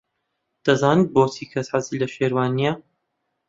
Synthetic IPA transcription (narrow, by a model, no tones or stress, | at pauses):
d̪̥ɐzaːnɨt̪̚boːtʰikʰɐsħazilɐʃeːɾwaːnijɐ